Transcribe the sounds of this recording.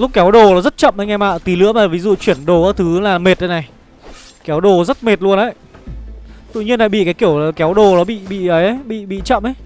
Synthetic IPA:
lʊ˦˥k͡p̚kɛ˨˦wɗo˨˩ɔ˨˦zə˦˥t̚t͡ɕə̰˧˨mʔə˨˦jŋɛ˧ma̰ː˧˨t̪i˨˦lɨ̰˧˥əmaː˨˩vi˨˦zṵ˧˨t͡ɕwi˧˩ənɗo˨˩ɔ˨˦t̪ʰɨ˨˦laː˨˩me˨˩t̚ɗə˨˦jna˨˩j | kɛ˨˦wɗo˨˩zə˦˥t̚me˨˩t̚lu˧ənʔə˨˧˦j | t̪ɨ̰˧˨ɲi˧ənla̰ː˧˨ɓḭ˧˨kaː˨˦jki˧˩əwaː˨˩kɛ˨˦wɗo˨˩nɔ˨˦ɓḭ˧˨ɓḭ˧˨ə˨˦jə˨˦jɓḭ˧˨ɓḭ˧˨t͡ɕə̰˧˨mʔə˨˦j

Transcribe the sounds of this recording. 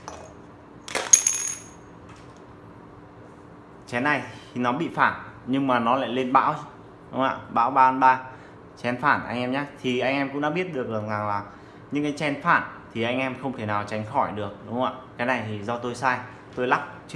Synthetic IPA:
t͡ɕɛ˨˦na˨˩jnɔ˨˦ɓḭ˧˨faː˧˩nɲɨ˧ŋmaː˨˩nɔ˨˦la̰ː˧˨jle˧nɓa̰ː˧˥w | ɗʊ˨˦ŋ͡mʔa̰ː˧˨ɓa̰ː˧˥wɓaː˧ʔa˧nɓaː˧ | t͡ɕɛ˨˧˦nfaː˧˩nʔa˧jŋ̟ʔɛ˧mɲaː˦t̪ʰi˨˩ʔa˧jŋ̟ʔɛ˧mkʊ̰˧˥ŋ͡mɗa̰ː˧˥ɓi˦˥ət̚ɗɨ˨˩ək̚la˨˩ŋaː˨˩laː˨˩ | ɲɨ˧ŋkaː˨˦jt͡ɕɛ˧nfaː˧˩nt̪ʰi˨˩ʔa˧jŋ̟ʔɛ˧mxə˧wŋ͡mt̪ʰe˧˩naː˨˩wt͡ɕa˨˦jŋ̟xɔ˧˩jɗɨ˨˩ək̚ɗʊ˨˦ŋ͡ma̰ː˧˨kaː˨˦jna˨˩jt̪ʰi˨˩zɔ˧t̪o˧jsaː˧j | t̪o˧jla˦˥p̚t͡ɕ

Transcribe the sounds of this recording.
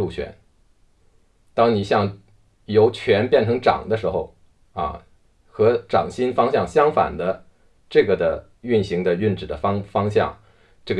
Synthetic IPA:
u˥˩t͡ɕʰɥɛ̰˧˥n | t̪ɑ˥ŋni˨˩ɕjɑ˥˩ŋ | jo˧˥ʊt͡ɕʰɥɛ˧˥npjɛ˥˩nʈ͡ʂʰɤ˧˥ŋʈ͡ʂɑ̰˨˩ŋd̪ə˦ʂɻ̩˧˥xo˥˧ʊ | ɐ̰˧˩ | xɤ˧˥ʈ͡ʂɑ̰˨˩ŋɕi˥nfɑ˥ŋɕjɑ˥˩ŋɕjɑ˥ŋfa̰˨˩nd̪ə˦ | ʈ͡ʂɤ˥˩ɡə˩d̪ə˦ | y˥˩nɕi˧˥ŋd̪ə˧y˥˩nʈ͡ʂɻ̩˨˩d̪ə˦fɑ˥ŋfɑ˥ŋɕjɑ̰˥˩ŋ | ʈ͡ʂɤ˥˩ɡə

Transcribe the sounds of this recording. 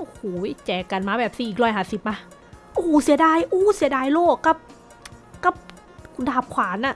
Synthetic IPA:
ʔo˧hoː˩˦jt͡ɕɛː˨˩kːa˨nmaː˧˦˥bɛː˨˩p̚siː˧˩ʔiː˨˩k̚ɾɔː˧˥˩jɦaː˨˩si˨˩p̚ma˧˥ | ʔoː˧˩si˨˩˦daː˧˩jʔoː˧˩si˨˩˦daː˧˨jloː˥˩kːa˧˥˩p̚ | ka˧˩p̚ | kʰu˧daː˧˩p̚kʰwaː˨˩˦nʔa˧˩

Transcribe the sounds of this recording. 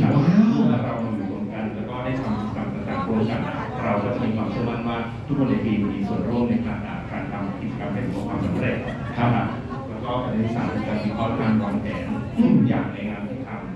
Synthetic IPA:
a˦˧˥ɯ˧lɛː˦˥ɾa˧wma˧juː˨˩wo˧nka˧nlɛː˦˥wkɔː˥˩da˥˩jt̪ʰa˧m˧˩sa˨˩mt̪a˧˩t̪a̰ː˨˩ŋkʰo˧˥nkʰa˧˩a˥˩ | ɾa˧wkɔː˥˩t͡ɕa˨˩ʔmiː˧kʰwaː˧mkʰɯ˥˩əma˥˩nwaː˥˩ | t̪ʰu˦˥k̚kʰo˧nːa˧jt̪ʰiː˧m˧iː˧su˨˩ənɾuː˥˩ŋ̚na˧pʰaː˨˧˩t͡ɕa̰ː˨˩pʰɾa̰˨˩nt̪ʰa˧m˧kʰi˨˩t͡ɕa˧ka˧mha˥˩jsʰu˨˩˦aː˧kʰwaː˧msa˨˦mɾe˨˩t̪̚ | kʰa˥˩kʰa˦˩ | lɛː˦˥wkɔː˥˩pʰa˨˧˩n˧˥i˧˥˩saː˨˩˦no˧kaː˧nmiː˧kʰɔː˥˩k̪ʰaː˧nkɔː˧nkɛː˩˦n˥˩ja̰ː˨˩k̚ɾɛː˧jŋaː˧nt̪ʰi˦˥˩t̪ʰa˧m

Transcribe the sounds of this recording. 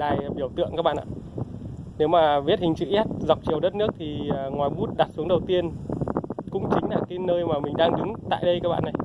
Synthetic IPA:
ɗaː˨˩jɓi˧˩əwt̪ɨ̰˧əŋkːaː˦k̚ɓa̰ː˧˨ʔaː˧˨ | ne˨˦wmaː˨˩vi˦˥t̚hï˨˩ŋ̟t͡ɕḭ˧˨ʔɛ˦˥t̚za˨˩wk͡p̚t͡ɕi˨˩əwɗə˦˥t̚nɨ˦˥ək̚t̪ʰi˨˩˨ŋwaː˨˩jmu˦˥t̚ɗaː˨˩t̚su˨˦əŋɗə˨˩wt̪i˧ən | kʊ̰˧˥ŋ͡mt͡ɕï˨˦ŋ̟laː˨˩kaː˨˦nəː˧jmaː˨˩mï˨˩ŋ̟ɗaː˧ŋɗɨ˨˦ŋt̪a̰ː˧˨jɗə˧jkaː˦˥k̚ɓa̰ː˧˨na˨˩j

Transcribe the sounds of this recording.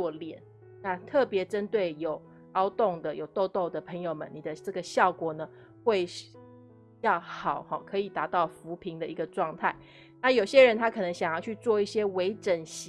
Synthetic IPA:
ɔ˥˩ljɛ˨˩˦n | na˥˧t̪ʰɤ˥˩pjɛ˧˥ʈ͡ʂə˦˥nt̪we˥˩ɪjo˨˩ʊ | ɑ˥ʊt̪ʊ˥˩ŋd̪ə˩jo˨˩ʊt̪o˥˧ʊt̪o˥˩ʊd̪ə˩pʰə˧˥ŋjo˨ʊmə̰˨ni˨˩d̪ə˦ʈ͡ʂɤ˥˩ɡə˩ɕjɑ˥˩ʊkwɔ˨˩nə˩ | xwe˥˩ɪʂ | jɑ˥˩ʊxɑ˨˩˦ʊhɔ˥˩kʰɤ˧˥i˨˩t̪a˧˥t̪ɑ˥˩ʊfu˧˥pʰi˧˥ŋd̪ə˧i˧˥ɡə˧ʈ͡ʂwɑ˥˧ŋt̪ʰa˥˩ɪ | na˥˩jo˨˩ʊɕjɛ˦˥ɻə˧˦nt̪ʰa˥kʰɤ˨˩nə˧˥ŋɕjɑ˨˩ŋjɑ˥˧ʊt͡ɕʰy˥˧t͡swɔ˥˧i˥˩ɕjɛ˥we˧˥ɪʈ͡ʂə˨˩nɕ

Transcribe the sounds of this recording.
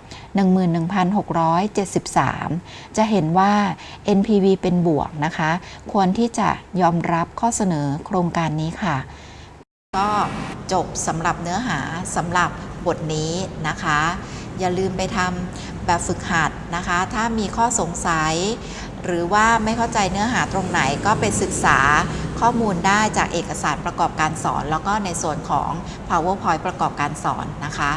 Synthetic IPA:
nɯ˨˩ŋmɯː˨˩nːɯ˨˩ŋpʰa˧nɦo˨˩k̚ɾɔː˦˥jt͡ɕe˨˩t̪̚si˨˩p̚sa̰ː˩˦mt͡ɕa˨˩ʔɦe˩˦nwaː˥˩ʔe˧npʰiː˧wiː˧pe˧nbu˨˩ək̚na˦˥kʰa˦˥kʰu˧ənt̪ʰiː˥˩t͡ɕa̰˨˩jɔː˧mɾa˦˥p̚kʰɔː˥˩sa˧nɤː˩˦kʰɾoː˧ŋkaː˧nːiː˦˥kʰa˥˩ | kɔː˥˩t͡ɕo˨˩p̚sa˩˦mɾa˨˩p̚nɯ˦˥ɐɦaː˩˦sa˩˦mɾa˨˩p̚bo˨˩t̪̚niː˦˥na˦˥kʰa˦˥jaː˨˩lɯː˧mpa˧jt̪ʰa˧m | bɛː˨˩p̚fɯ˨˩k̚ha˨˩t̪̚na˦˥kʰa˦˥t̪ʰaː˥˩miː˧kʰɔː˥˩so˨˩˦ŋsa˨˩˦j | ɾɯː˩˦waː˥˩ma˥˩jkʰa˥˩wt͡ɕa˧jnɯ˦˥ɐɦaː˩˦t̪ɾo˧ŋna˩˦jkɔː˥˩pe˧nsɯ˨˩k̚saː˩˦kʰɔː˥˩muː˧ndaː˥˩jt͡ɕaː˨˩k̚ʔeː˨˩kːa˧saː˩˦npɾa˧kɔː˨˩p̚kaː˧nsɔ̰ː˩˦nlɛː˦˥wkɔː˥˩na˧jsu˨˩ənkʰɔ̰ː˩˦ŋ | pʰaː˧wɯː˥˩pʰɔ˧˥jpɾa˧kɔː˨˩p̚kaː˧nsɔ̰ː˩˦nːa˦˥kʰa˦˥

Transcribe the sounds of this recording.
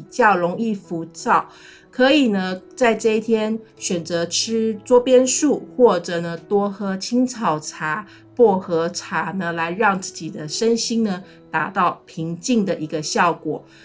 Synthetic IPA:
t͡ɕjɑ˥˩ʊɻʊ˧˥ŋi˥˩fu˧˥t͡sɑ˥˩ʊ | kʰɤ˧˥i˨˩nə˦t͡sa˥˧ɪʈ͡ʂɤ˥˧i˥t̪ʰjɛ˥n | ɕɥɛ˨˩nt͡sɤ˧˥ʈ͡ʂʰɻ̩˥t͡swɔ˥pjɛ˥nʂu˥˩xwɔ˥˩ʈ͡ʂɤ˨˩nə˦t̪wɔ˥xɤ˧˥t͡ɕʰi˥ŋt͡sʰɑ˨˩ʊʈ͡ʂʰa˧˥˦ | pwɔ˥˩xɤ˧˥ʈ͡ʂʰa˧˥nə˧la˧˥ɪɻɑ˥˧ŋt͡sɹ̩˥˩t͡ɕi˨˩d̪ə˦ʂə˥nɕi˥ŋnə˧ | t̪a̰˧˥t̪ɑ˥˩ʊpʰi˧˥ŋt͡ɕi˥˩ŋd̪ə˨ʔi˧˥ɡə˧ɕjɑ˥˩ʊkwɔ̰˨˩˦

